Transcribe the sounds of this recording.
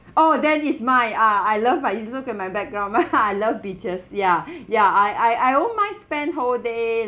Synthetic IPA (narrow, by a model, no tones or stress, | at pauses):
odɛ̃nismajaajlʌvmajĩsokɛ̃n̚majbɛk̚ɡɹãʊ̃najlʌvbit͡ʃəsjajaaɪʔajajonmaɪspɛ̃nɦolde